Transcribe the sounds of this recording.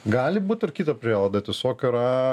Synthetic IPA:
ɡɑːlʲɪbuːt̪ɪrkʲiːt̪ɐpʲɾʲiɛːlˠɐd̪ɐt̪ʲɪsoːkʲʊɾɑ

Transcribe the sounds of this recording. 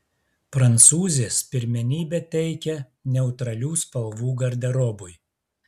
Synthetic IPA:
pɾɐnˑt̪suːzʲeːspʲɪɾʲmʲɛnʲiːbʲɛt̪ʲɛɪkʲɛ | nʲɛʊt̪ɾɐlʲuːspɐlˠʋuːɡɐɾʲd̪ʲɛɾɔbʊj

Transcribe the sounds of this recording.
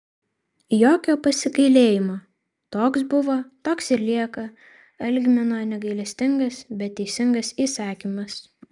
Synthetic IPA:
joːkʲoːpɐsʲɪkɐɪlʲeːjɪmoː | t̪oːksbʊʋoːt̪oːksɪɾlʲiɛkɐ | ɐlʲɡʲmʲɛnoːnʲɛɡɐɪlʲɛsʲt̪ʲɪŋɡɐsbʲɛt̪ʲːɛɪsʲɪŋɡɐsiːsɑːkʲimɐs

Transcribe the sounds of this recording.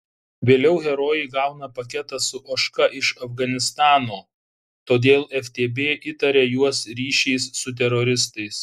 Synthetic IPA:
ʋʲeːlʲɛʊɣʲɛɾoːjɛɪɡɑˑʊnɐpɐkʲɛt̪ɐsʊʔoːʃkɐʔɪʃɐfɡɐnʲɪst̪ɑːnoː | t̪oːd̪ʲeːlˠɛfʲt̪ʲeːbʲeːʔɪt̪ɐɾʲejuɔsɾʲiːʃʲɛɪsːʊt̪ʲɛɾɔɾʲɪs̬t̪ɐɪs

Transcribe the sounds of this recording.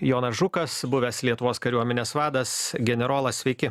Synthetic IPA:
joːnɐsʒʊkɐsbʊʋʲɛslʲiɛt̪ʊʋoːskɐɾʲuɔmʲɛnʲeːsʋɑːd̪ɐsɡʲɛnʲɛɾoːlˠɐsʲʋʲɛɪkʲɪ

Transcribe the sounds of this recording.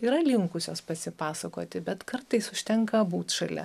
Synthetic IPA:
iːɾɐlʲɪŋkʊsʲoːspɐsʲɪpɑːsɐkoːt̪ʲɪbʲɛt̪kɐrt̪ɐɪsʊʃʲt̪ʲɛŋkɐbuːt̪ʃɐlʲɛ̰

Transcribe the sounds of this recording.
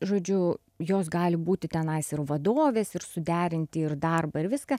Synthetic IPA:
ʒoːd͡ʒʲʊ | joːs̬ɡɑːlʲɪbuːt̪ʲɪt̪ʲɛnɐɪsɪɾʋɐd̪oːʋʲeːsɪɾsʊd̪ʲæːɾʲɪnʲt̪ʲɪɪɾd̪ɐrbɐɪɾʋʲɪskɐ

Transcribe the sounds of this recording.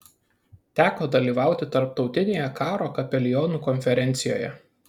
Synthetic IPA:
t̪ʲæːkoːd̪ɐlʲiːʋɑˑʊt̪ʲɪt̪ɐɾp̚t̪ɒʊt̪ʲɪnʲeːjɛkɑːɾoːkɐpʲɛlʲɪjɔnuːkɔnʲfʲɛɾʲɛnʲt̪sʲɪjo̰ːjɛ̰

